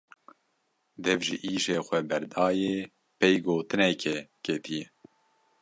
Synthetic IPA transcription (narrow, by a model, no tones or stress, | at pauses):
d̪ɛvʒiʔiːʒeːxʷɛbɛɾd̪ɑːjeː | pejɡoːt̪ɨnɛkʰɛket̪ʰijɛ